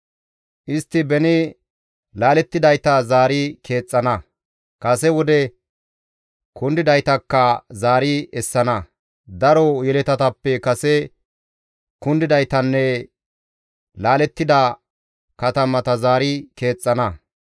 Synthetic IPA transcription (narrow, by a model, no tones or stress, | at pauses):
ʔɪst̪ːɪbɛnɪ | laːlɛt̪ːɪd̪ɐjt̪ɐzaːɾɪkʰe̞ːt͡sʼːɐnɐ | kɐsɛwɔd̪ɛ | kʊnd̪ɪd̪ɐjt̪ɐkːɐzaːɾɪɛsːɐnɐ | d̪ɐɾɔjɛlɛt̪ɐt̪ɐpːɛkɐsɛ | kʊnd̪ɪd̪ɐjt̪ɐnːɛ | laːlɛt̪ːɪd̪ɐ | kɐt̪ɐmɐt̪ɐzaːɾɪke̞ːt͡sʼːɐnɐ